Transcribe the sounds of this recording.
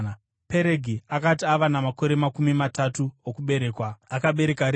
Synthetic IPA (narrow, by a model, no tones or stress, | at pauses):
pe̞ɾe̞ɡʱiakatiaʋanamako̞ɾe̞makumimatatuokuɓe̞ɾe̞ːkwaakaɓe̞ɾe̞kaɾ